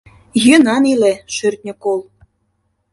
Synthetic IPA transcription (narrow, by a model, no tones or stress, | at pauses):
jønɑnileʃørt̪̚ʲnʲə̆kol